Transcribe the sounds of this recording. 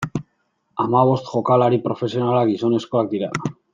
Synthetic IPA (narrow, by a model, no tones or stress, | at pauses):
amaβ̞ost̪xokalaɾipɾofe̞sjo̞nalaɣisoneskoakt̪iɾa̰ða